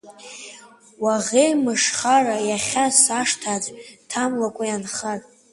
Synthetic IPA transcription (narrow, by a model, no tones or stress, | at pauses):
waʁejmɨʂχarajaχʲasaʂtʰad͡ztʰamlakʷʼajanχatʼ